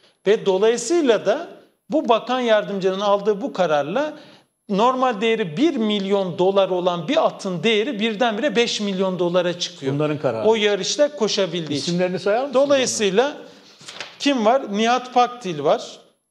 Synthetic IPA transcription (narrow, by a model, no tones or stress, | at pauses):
vɛd̪o̞lˠajɯsɯjlˠad̪a | bubakanjaɾd̪ɯmd͡ʒɯlnɯnalˠd̪ɯːbukʰaɾaɾlˠa | no̞ɾmalʲd̪ejeɾibiɾmilʲjo̞nd̪o̞lˠaɾo̞lˠanbiat̪ʰːɯnd̪e̞jeɾibiɾd̪ænbiɾɛbɛʃmilʲjo̞nd̪o̞lˠaɾat͡ʃʰɯ̥kʰɯjonˠaɾɯnkʰaɾa̰ojaɾɯʃlʲɛkʰo̞ʃabilʲd̪iːmlʲeɾinisajad̪o̞lˠajɯsɯjlˠa | cʰimvaɾniɦat̪pʰak̚d̪ʰilʲvaɾ̥